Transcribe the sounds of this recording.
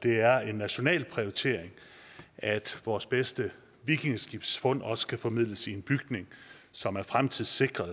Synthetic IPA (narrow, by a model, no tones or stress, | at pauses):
d̥e̝æɐe̝nːæɕo̝nɛ̰ːlpʰʁioit͡sʰe̝̰ɐ̰e̝ŋ | ʔæd̥ʋɒːsb̥esd̥ə | ʋikʰe̝ŋəsɡ̥ib̥sfɔ̽n̰ɒ̽sə̥kʰæfɒ̽mið̰ˠləsie̝nb̥yɡ̥ne̝ŋsɒ̽mæɐfʁamt͡sʰið̰ˠse̝ɡ̥ʁɐðˠ